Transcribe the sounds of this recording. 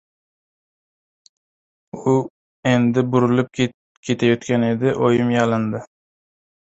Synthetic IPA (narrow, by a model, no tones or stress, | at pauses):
u | end̪ɪbuɾulˠɨp̚ | kʲʰet̪ʰajɒt̪kʲʰaned̪ɪʔojɪmjɑlˠɨnd̪ɪ